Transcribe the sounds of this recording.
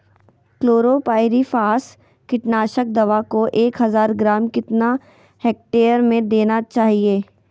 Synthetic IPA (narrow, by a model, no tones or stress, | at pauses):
kloːɾoːpaːɪɾifaːs | kɪʈnaːʃək̚d̪ɐʋakoʔeːkɦɐzaːɾɡɾaːmkɪt̪na | heːk̚ʈeːəɾmẽd̪eːnat͡ʃaːɦieː